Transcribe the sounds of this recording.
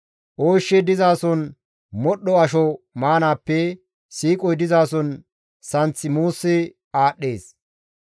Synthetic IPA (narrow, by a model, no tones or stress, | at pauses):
ʔoːʃːɛd̪ɪzaːsɔn | mɔɗɔɐʃɔmaːnaːpːɛ | siːkʼɔjd̪ɪzaːsɔn | sɐnt͡sːɪmuːsːɪ | aːɗːe̞ːs